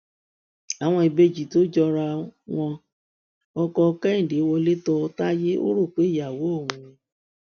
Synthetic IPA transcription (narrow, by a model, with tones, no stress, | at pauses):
a˨w̃ɔ̃˧i˧be˦d͡ʒi˨to˦d͡ʒɔ˧ɾa˧w̃ɔ̃˧ | ɔ˧kɔ˧kɛ˦ĩ˦˨de˨˦wɔ˧le˦tɔ˧ta˦je˦o̰˦ɾo˦˨k͡pe˨˦˨ja˨wo˨˦o˦˨wũ˨˦ĩ˧